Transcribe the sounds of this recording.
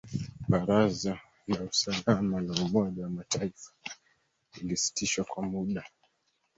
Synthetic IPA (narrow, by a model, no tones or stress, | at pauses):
ɓaɾaza | lausalamalaumɔɗawamataifḁ | ilisi̥tiʃwakwamuɗa